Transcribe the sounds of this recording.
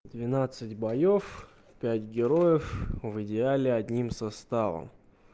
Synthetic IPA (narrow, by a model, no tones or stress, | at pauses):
d̪vʲɪnat̪sɨtʲbɐjof | pʲætʲɡʲɪɾojɪfvɨdʲɪalʲɪɐd̪ʲnʲimsɐst̪avə̰m